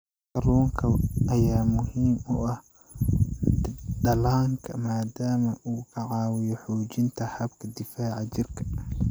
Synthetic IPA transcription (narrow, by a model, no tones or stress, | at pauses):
kɐlɔːŋkʰɐɐjaːmʊhiːmʊɐh | ɖɐlaːŋkʰɐmaːd̪aːmɐʔuːkʰɐʕɑːwɪjɔħuːt͡ʃɪnt̪ʰɐhɐbkʰɐd̪ɪfaːʕɑt͡ʃɪrkʰɐ̥